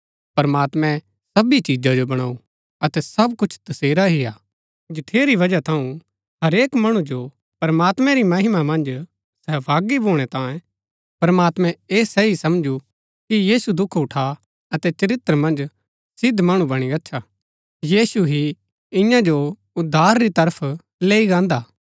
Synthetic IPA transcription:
pɐɾmaːt̪mɛ̃ | sɐbit͡ʃiːd͡ʒad͡ʒobɐɽ̃aːu | ɐt̪ɛsɐbkʊt͡ʃʰt̪ɐseːɾaɦɪjaː | d͡ʒɪʈʰeːɾiʋɐd͡ʒat̪ʰɐũ | ɦɐɾeːkmɐɽ̃ũd͡ʒo | pɐɾɐmaːt̪mɛ̃ɾimɐɦɪmamɐ̃nd͡ʒ | sɛːbʱaːɡiboːɽ̃ɛt̪ãːẽ | pɐɾmaːt̪mɛ̃eːsɛisɐmd͡ʒu | kijiːsud̪ʊkʰʊʈʰa | ɐt̪ɛt͡ʃɐɾɪt̪ːəɾmɐ̃nd͡ʒ | sɪd̪ʱmɐɽ̃ũbɐɽ̃iɐtːʃʰa | jiːsuɦi | ɪ̃jãd͡ʒo | ʊd̪ʱːaːɾːit̪ɐɾəpʰ | leːiɡãːnd̪aː

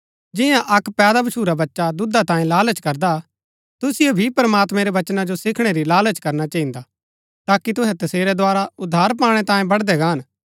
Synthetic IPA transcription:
d͡ʒɪjãʔɐkpɛːd̪abɐʃʰuːɾabɐtːʃad̪ʊd̪at̪ãːĩlaːlət͡ʃkɐɾd̪a | t̪ʊsɪjebʱipɾɐmaːt̪mɛɾɛʋɐt͡ʃnad͡ʒosɪkʰɽ̃eɾilaːlət͡ʃkɐɾnat͡ʃɐɦĩnd̪a | t̪aːkit̪ʊɦɛ̃t̪ɐseːɾɛd̪oaːɾaʊd̪ʱːaːɾpaːɽ̃ɛt̪ãːẽbɐɽd̪ɛɡaːɦɐn

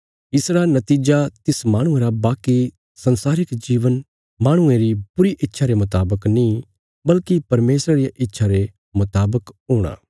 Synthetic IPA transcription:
ɪsɾanɐt̪iːd͡ʒat̪ɪsmaːɽ̃ʊ̃ẽɾabaːki | sɐnsaːɾɪkd͡ʒiːʋən | maːɽ̃ʊ̃ẽɾipʊɾiʔɪtːʃʰaɾemʊt̪aːbəknĩː | bɐlkipɐɾmeːsɾaɾijaʔɪtːʃʰaɾe | mʊt̪aːbəkɦuːɽ̃a̰ː

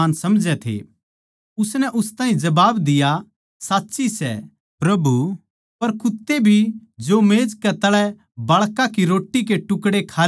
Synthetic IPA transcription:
nsɐmd͡ʒɛt̪ʰḛ | ʊsnɛʔʊst̪ãːĩd͡ʒɐbaːbd̪ɪja | saːtːʃisɛ̰ | pɾɐbu | pɐɾkʊt̪ːebʱid͡ʒomeːd͡ʒkɛt̪ɐɭɛ | bɐɭkakiɾoːʈːikeʈʊkɽekʰaː

